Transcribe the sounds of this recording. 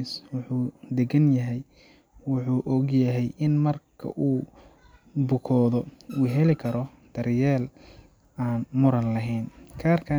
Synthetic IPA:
swʊħuːd̪ɛɡɐnjɐɦɛj | wʊħuːʔɔɡjɐɦɛjʔɪnmɐrkʰɐ̰ʔuː | bʊkʰɔːðɔ | uːɦɛlɪkʰɐɾɔ | d̪̥ɐɾjɛːl | aːnmʊɾɐnlɐɦɛjnkʰaːrkʰɐ

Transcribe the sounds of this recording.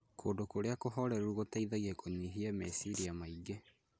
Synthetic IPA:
kʰoːndokoɾeakoɦɔɾɛɾuuɣotaiðaɣiɛkʰoɲiɦiamɛsiɾiamaiɡe

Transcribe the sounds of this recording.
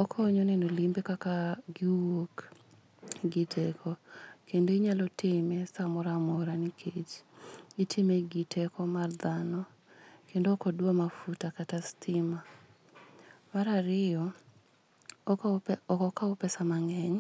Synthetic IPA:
ɔkʰɔːɲɔnɛnolimbekakaɡiwok | ɡɪtʰɛkʰɔkendoiɲalɔtɪmesamɔɾamɔɾanikʰet͡ʃitʰɪmeɡitʰɛkɔmard̪anɔ | kendoːkɔdwomafutakatastʰɪma | maɾaɾɪjɔ | kɔkaɔpɛsamaŋɛɲ

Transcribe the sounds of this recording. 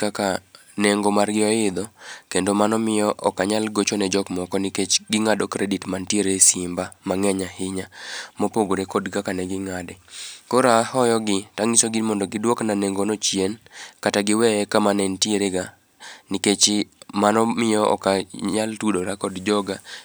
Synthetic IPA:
kaka | neŋɡomarɡɪɔɪd̪ɔkendomanɔmɪjɔʔɔkaɲalɡot͡ʃonɛd͡ʒɔkmɔkɔniket͡ʃɡɪŋadɔkɾeditmantieɾesɪmbamaŋɛɲahɪɲamopoɡoɾekɔdkakanɛɡɪŋadɛkoɾaːhɔjɔɡɪtaŋisoɡimɔndɔɡɪdwoknaneŋɡonot͡ʃjenkataɡɪwɛɛkamanɛntieɾeɡa | niket͡ʃmanɔmɪjɔɔ̰kaɲaltudoɾakɔdd͡ʒɔɡa

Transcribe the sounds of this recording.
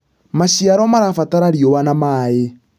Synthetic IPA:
maʃiaɾɔmaɾafataɾaɾioβanamae

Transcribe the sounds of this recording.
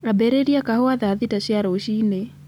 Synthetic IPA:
ɾabɛɾeɾiakahoaðaðitaʃiaɾaoʃine

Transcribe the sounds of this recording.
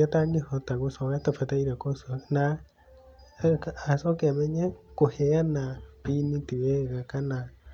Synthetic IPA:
ataŋehotaɣosɔkatafataiɾakosona | sɔkeamɛɲɛkohɛanapinitiwɛɣakana

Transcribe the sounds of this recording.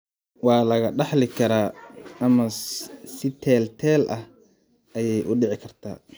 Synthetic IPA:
wɑːlɐɣɐɖɑħlɪkʰɐɾaːɐmɐsɪt̪ʰɛːlt̪ʰɛːlʔɐh | ʔɐjɛjʔʊɖɪʕɪkʰɐrt̪ʰa̰ː

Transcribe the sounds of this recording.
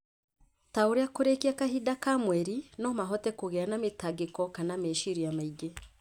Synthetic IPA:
taoɾeakoɾekiakaɦidakamwɛɾinɔmaɦɔtɛkoɣɛanametaɡekɔkanameʃiɾijamaiɡe

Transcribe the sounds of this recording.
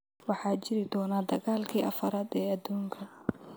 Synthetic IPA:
wɑħɑːt͡ʃɪɾɪd̪ɔːnaːd̪ɐɣaːlkʰiːʔɐfɐɾaːd̪ɛːɐd̪uːŋkʰɐ

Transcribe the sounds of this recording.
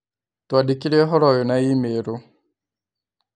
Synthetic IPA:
twadikilɛɦɔɾɔjɔnaimeɾo

